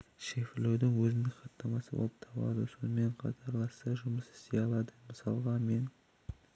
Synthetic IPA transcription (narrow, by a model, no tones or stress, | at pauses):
ʃefɪlewd̪ɪŋwɵzɪneqɑt̪nːɑmɑsəbo̰lˠəp̚t̪ʰɑbɑ̰d̪əso̞̰nəme̞ɴqʰɑ̰t̪ʰɑɾlˠɑst̪ɑʒʊməsɪ̥st̪ejɑlˠɑd̪əməsɑlˠʁɑme̞n